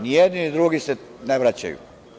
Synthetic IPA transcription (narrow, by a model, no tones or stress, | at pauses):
nijed̪ninid̪ɾuɡiseneʋɾat͡ɕa̰jṵ